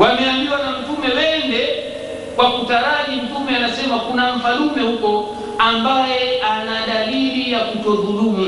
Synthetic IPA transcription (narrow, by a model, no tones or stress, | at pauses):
wamɛambiwanam̩tumɛwɛndɛ | kwakutaɾaʄim̩tumɛanasɛmakunaɱvalumɛhukɔ | ambajɛanaɗalilijakutɔɾɦuɗumu